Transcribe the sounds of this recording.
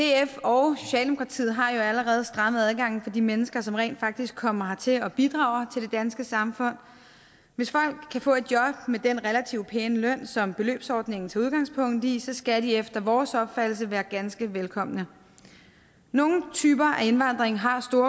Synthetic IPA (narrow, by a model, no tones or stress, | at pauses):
d̥e̝efɒʊso̝̥ɕɛ̰ːld̥emo̝kʰɑ̈t͡sʰḭːð̩ˠɦɑ̈jo̝æləʁɛːð̞̩ˠsd̥ʁɑ̈mð̩ˠæð̞ˠɡ̥ɑ̈ŋ̰n̩fɒ̽d̥imenəsɡ̥ɐsɒ̽mʁɛ̰ːnd̥fɑ̈ɡ̥̚d̥isɡ̥ʰɒ̽m̰ɐɦɑ̈t͡sʰe̝lɒ̽b̥id̥ʁɑ̈ʊɐt͡sʰe̝ld̥e̝d̥ænsɡ̥əsɑ̈mfɔ̽n̰ | ʋe̝sfɒ̽l̰ɡ̥ʰːæfɔ̰̽ːe̝d̥̚jɒ̽b̥med̥enʁɛlæt͡sʰiʊpʰeːnəlœn̰sɒ̽mb̥e̝lø̰ːb̥sɒ̰ːd̥ne̝ŋn̩t͡sʰe̝uð̞ˠɡ̥ɑ̈ŋ̰spʰɔ̽ŋ̰d̥isɒ̽sɡ̥ædiefd̥ɐʋɒːsɒ̽b̥fæd̥l̩səʋæːɐɡ̥ænsɡ̥əʋelkʰɒ̽m̰nə | no̝ːn̩t͡sʰyːb̥ɐʔæe̝nʋɑ̈n̰d̥ʁeŋɦɑ̈sd̥o̝ːɐ